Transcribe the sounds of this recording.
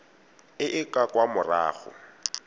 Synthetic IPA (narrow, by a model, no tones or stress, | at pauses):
ɪʔɪkʼakʼwamʊra̰ːɣʊ̰